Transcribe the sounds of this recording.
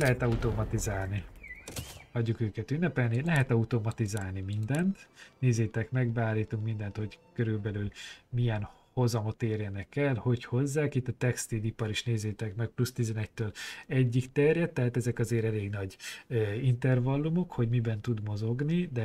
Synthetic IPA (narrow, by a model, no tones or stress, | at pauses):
lɛɦɛt̪ɒut̪o̞mɒt̪izaːlni | hɒɟːukøːkɛt̪ynːɛpɛlnilɛɦɛt̪ɒut̪o̞mɒt̪izaːlnimind̪ɛnt̪neːzeːt̪ɛkmɛɡbaːliːt̪uŋkmind̪ɛnt̪ho̞ɟkøɾylbɛlylmijɛn | ho̞zɒmo̞t̪eːrjɛnɛkɛlho̞cho̞zːaːkit̪ːɒt̪ɛkst̪ilipɒɾiʃneːzeːt̪ɛkmɛk̚plust̪izɛnɛc̚t̪øːlɛɟːikt̪ɛrjɛt̪ːɛɦaːt̪ɛzɛkɒzeːɾɛleːɡnɒɟøːint̪ɛrvɒlːumo̞kho̞ɟmibɛnt̪ud̪mo̞zo̞ɡnid̪ɛ